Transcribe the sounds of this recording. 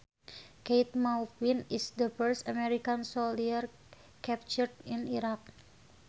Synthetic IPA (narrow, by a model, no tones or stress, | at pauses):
kejt̪̚mawfinisd̪əfəɹsamɛɾikansoliər | kɛp̚t͡ʃərd̪iniɾak̚